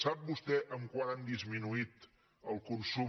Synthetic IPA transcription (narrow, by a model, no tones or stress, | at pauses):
sap̚bust̪ɛʔəmkwanand̪izminuit̪ | əlˠkunsu